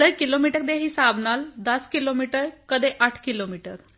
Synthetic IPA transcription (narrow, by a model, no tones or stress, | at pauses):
əjkilomiʈəkd̪eɦiːsabʱnald̪əskilomiʈəɾkəd̪eʔaʈʰkilomiʈəɾ